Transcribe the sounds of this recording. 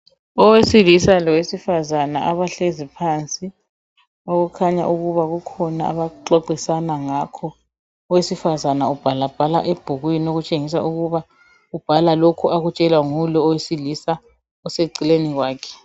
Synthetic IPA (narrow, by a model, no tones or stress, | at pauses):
ɔwesilisalɔwesifazanaʔaβaɬezipʰant͡sʼi | oɣukʰaɲa̰ʔuɣuβaɣukʰɔnaa̰βaǃɔǃisanaŋakʰɔ | ɔwesifazanaub̥ʱalab̥ʱala̰ʔeb̥ʱuɣwinoɣut͡ʃʼeŋis̬a̰ʔuɣuβa | ub̥ʱalalokʰuaɣut͡ʃʼɛlwaŋulɔɔwesilisa | ɔseǀileniɣwaːkʰɛ̥